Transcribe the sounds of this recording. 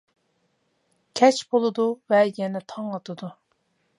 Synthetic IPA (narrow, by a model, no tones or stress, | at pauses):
kʲʰɛt͡ʃbolˠɨd̪uvɛjɛnɛt̪ʰɑŋɑt̪ʰɨd̪u